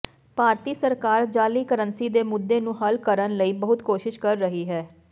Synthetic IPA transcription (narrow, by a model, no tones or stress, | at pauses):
paːɾt̪iːsəɾkaːɾd͡ʒaːliːkəɾənsiːd̪eːmʊd̪ːeːnũːɦəlkəɾənləiːbəɦʊt̪koːʃɪʃkəɾːəɦiːɦɛː